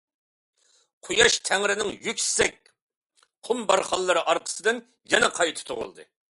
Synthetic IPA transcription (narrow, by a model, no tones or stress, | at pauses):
qʰojɑʃt̪ʰæŋɾɪnɪŋjykʲsɪ̥sɛk̚ʲ | qʰʊmbɑɾχɑlˠːɨɾɨʔɑɾqʰə̥sɨd̪ɨn | jɛnɛqʰɑjt̪ʰɨ̥t̪ʰʊ̰ʁʊ̰lˠd̪ɨ̰